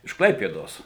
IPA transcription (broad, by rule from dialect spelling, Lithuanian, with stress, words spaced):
ɪʃ ˈklˠɐɪpʲeːdoːs